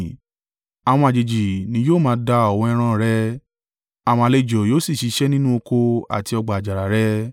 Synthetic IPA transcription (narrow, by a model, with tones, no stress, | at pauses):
a˨w̃ɔ̃˧a˨d͡ʒe˨d͡ʒi˨nĩ˧˦joː˦˨mãː˧˦da˧ɔ˨wɔ̃˧ɛ˧ɾ̃ã˦˨ɾɛ˧ | a˨w̃ɔ̃˧a˧le˧˨d͡ʒɔ˨joː˦si˦˨ʃi˨˧˦ʃɛ˦nĩ˦nũ˦o˧ko˧a̰˨ti˧ɔ˧ɡ͡ba˨d͡ʒa˨ɾa˨ɾɛ˦